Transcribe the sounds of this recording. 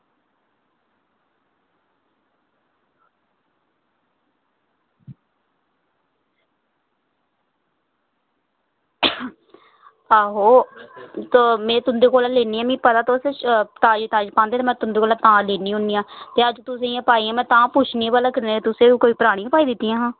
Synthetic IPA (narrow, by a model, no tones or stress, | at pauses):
aːɦoː | t̪ːmɛ̃ːt̪ʊnd̪eːkoːlaːleːniːãːmĩːpət̪aːt̪oseːt̪aːd͡ʒt̪aːd͡ʒpãːnd̪eːt̪eːmɛ̃ːt̪ʊnd̪eːkoːlaːt̪ãːleːnĩːʊniːãːt̪eːəd͡ʒt̪ʊsẽãːpaːiːãːmɛ̃ːt̪ãːpʊt͡ʃʰnĩːbaːlakɪɾneːt̪ʊsẽːkoːiːpəɾaːɽ̃ĩːəpaːiːd̪ɪt̪ːiːãːɦãː